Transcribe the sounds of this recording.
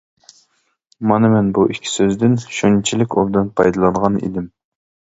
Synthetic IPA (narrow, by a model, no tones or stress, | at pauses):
mɑnɨmɛnbuʔikʲʰːi̥søzd̪ɪnʃunt͡ʃʰilɪkʲobd̪ɨnpʰɑjd̪ɨlˠɑnʁɑnḭd̪ɪm